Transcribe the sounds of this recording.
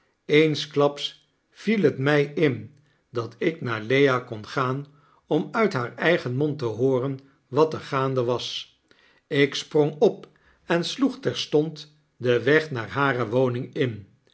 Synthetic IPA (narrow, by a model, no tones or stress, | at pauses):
ejnsklɑps | filɦətmɛjɪn | dɑtɪknaːɹlejakɔnχaːn | ɔmœɥtɦaːɹɛjχənmɔntəɦʊːrən | ʋɑtəɹχaːndəʋɑs | ɪksprɔŋɔp | ɛnsluχtɛɹstɔnt | dəʋɛχnaːɹɦaːrəʋownɪŋɪn